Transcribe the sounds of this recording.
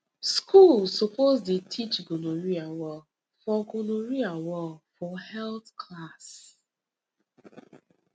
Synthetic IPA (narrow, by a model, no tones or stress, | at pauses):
skulsɔpʰozdetʰit͡ʃɡonoɹiawɔl | fɔɡonoɹiawɔlfɔhɛlθkʰlas